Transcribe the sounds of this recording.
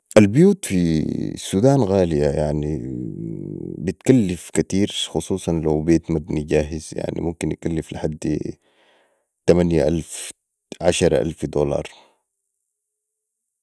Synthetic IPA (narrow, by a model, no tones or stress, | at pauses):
ʔalbjuːt̪fisuːd̪aːnɣaːlijajaʕni | bɪt̪kalːɪfkat̪iːɾxʊsˤuːsˤɑnlaubeːt̪mad̪niɟaːɦɪzja̰ʕnḭmʊmkinjakalːɪflɪħad̪ː | t̪amanja̰ʔalf | ʕaʃɑɾˤʔa̰lfd̪oːlɑ̰ːɾˤ